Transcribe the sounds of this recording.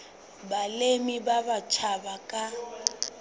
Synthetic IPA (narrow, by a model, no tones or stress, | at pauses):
balemibabat͡ʃʰabakʼa